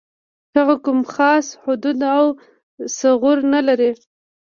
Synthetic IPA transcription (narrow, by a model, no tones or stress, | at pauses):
haɣakʊmxɑshʊd̪ud̪aw | saɣʊɾnalaɾi